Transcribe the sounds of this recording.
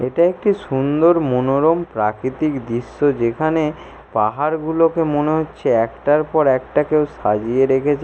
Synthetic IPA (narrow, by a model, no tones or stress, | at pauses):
eʈaek̚ʈiʃund̪oɾmonoɾompɾakɾit̪ikd̪iʃːod͡ʑekʰane | paɦaɾɡulokemoneɦotːɕʰeɛkʈaɾpɔɾɛk̚ʈakewʃa̰d͡ʑieɾekʰet͡ɕʰ